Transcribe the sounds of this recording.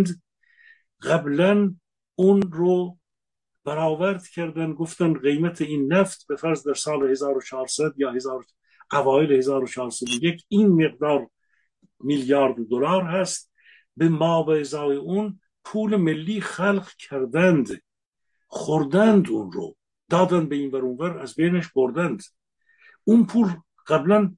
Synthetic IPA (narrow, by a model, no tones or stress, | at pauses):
d̪ | ɢæblæn | uːnɾo | b̥æɾɑːvæɾd̪cʰæɾd̪ænɡoft̪ænd̪ɣejmæt̪ʰeiːnːæft̪befæɾzd̪æɾsɑːlehezɑːɾot͡ʃʰɑːɾsæd̪jɑːhezɑːɾo | ʔævɑːjelehezɑːɾot͡ʃʰɑːɾsæd̪ojekʰinme̞ɣd̪ɑːɾ | miljɑːɾd̪od̪olɑːɾɦæst̪̚ | bemɑːvæezɑːeun | pʰuːlemelːiːxælqkʰæɾd̪ænd̪ | χoɾd̪ænd̪unɾo̰ | d̪̥ɑːd̪ænd̪̚beiːnvæɾuːnvæɾæzbejnæʃboɾd̪ænd̪ | ʔunpʰuːl | ɢ̥æblæn